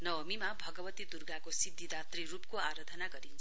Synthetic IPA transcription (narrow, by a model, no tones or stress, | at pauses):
nʌwʌmimabʱʌɡʌbʌt̪id̪urɡakosid̪ʱːid̪at̪rirupkoaɾʌd̪ʱʌnaɡʌɾint͡sʰ